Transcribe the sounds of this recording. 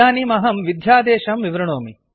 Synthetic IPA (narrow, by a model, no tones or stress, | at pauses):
aːnimɐɦɐmʋid̪ʱjaːd̪eːʃɐmʋiʋɾɐɳoːmi